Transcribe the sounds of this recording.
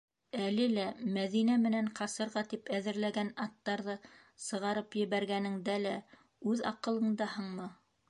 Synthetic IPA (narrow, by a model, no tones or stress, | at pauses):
ælɘlæmæðinæmɘ̆næɴqɑsɤ̆ɾʁɑt̪ipæðɘ̆ɾlæɡænɑt̪ːɑɾðɤ | sɤ̆ʁɑɾɤpjɘ̆βæɾɡænɘ̆ŋd̪ælæ | ʉðɑ̰qɤ̆lˠɤ̆ɴd̪ɑhɤɴmɤ